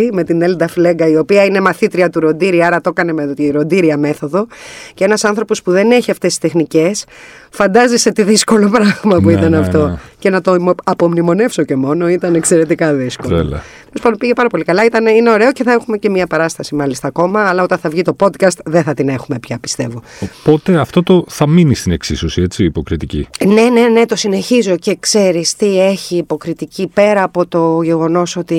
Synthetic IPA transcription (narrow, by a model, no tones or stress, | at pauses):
ime̞t̪ineld̪ɐfle̞ɡɐio̞piɐine̞mɐθit̪ɾiɐt̪uɾo̞nd̪iɾiɐɾɐt̪o̞kɐne̞met̪iɾo̞nd̪iɾiɐme̞θo̞ðo̞ceenɐsɐnθɾo̞po̞spuðe̞ne̞çiɐft̪esi̥st̪e̞xnice̞sfɐnd̪ɐziset̪iðisko̞lo̞pɾɐɣmɐpuit̪ɐnɐft̪o̞ce̞nɐt̪oɐpomnimo̞ne̞fso̞ce̞mo̞no̞it̪ɐnekse̞ɾe̞t̪ikɐðiskolo̰t̪elosfɐndopiʝepɐɾɐpo̞likɐlɐit̪ɐneineo̞ɾe̞o̞ceθɐexume̞ce̞mɲɐpɐɾɐst̪ɐsimɐlist̪ɐːko̞mɐːlɐo̞t̪ɐnθɐvʝit̪o̞po̞d̪kɐst̪ðeθɐt̪ine̞xume̞pçɐpi̥st̪e̞vo̞opo̞t̪e̞ɐft̪o̞t̪o̞θɐminist̪ine̞ksisosiet͡siːpo̞kɾit̪icḭne̞ne̞ne̞t̪o̞sine̞çizo̞ce̞kse̞ɾist̪ie̞çiːpo̞kɾit̪icipe̞ɾɐːpo̞t̪o̞ʝe̞ɣo̞no̞so̞t̪i